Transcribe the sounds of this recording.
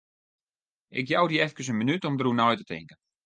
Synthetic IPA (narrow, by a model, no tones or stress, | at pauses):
ɪ̰kjawdiɛfkəs̬ənmənytɔmdəɾunɔjtətʰɪ̰ŋkən